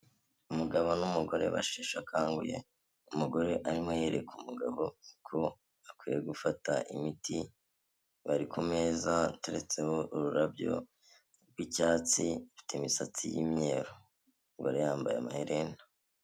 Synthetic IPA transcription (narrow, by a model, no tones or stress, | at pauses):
umuɡaβo̞numuɡo̞ɾe̞̰βa̰ʃiʃakaːŋɡuje̞̰ | umuɡo̞ɾe̞ʔaɾimoje̞ːɾe̞kumuɡaβo̞kʰo̞ | akwiːjeɡufataʔḭmiti | βaɾikʰome̞zate̞ɾe̞t͡sehoʔuɾuɾabjo̰ | ɾɡwicaːt͡siutimisat͡sijḭmɲe̞ɾo | ŋɡoɾejaːmbajeamaheɾena